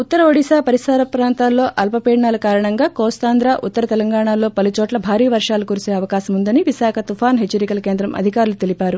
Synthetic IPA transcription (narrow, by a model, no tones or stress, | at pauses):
ut̪ːɐɾɐoːɽisaːpɐɾisaːɾɐpɾaːnt̪aːlːo̞ːʔɐlpɐpeːɽɳaːlɐkaːɾɐɳɐŋɡaːkoːst̪aːnd̪ɾaːʔut̪ːɐɾɐt̪ɛlɐŋɡaːɳaːlo̞ːpɐlut͡ʃɔːʈlɐbʱaːɾiːɐʋɐɾʂaːlɐkuɾuseːɐʋɐkaːsɐmund̪ɐniʋisaːkʰɐt̪ufʰaːnɦet͡ʃːɐɾikɐlɐke̞ːnd̪ɾɐmɐ̰d̪ʱikaːɾulut̪elipaːɾu